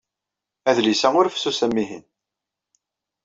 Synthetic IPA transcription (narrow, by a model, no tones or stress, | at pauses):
æðlisæʊɾfsusæmːiɦḭn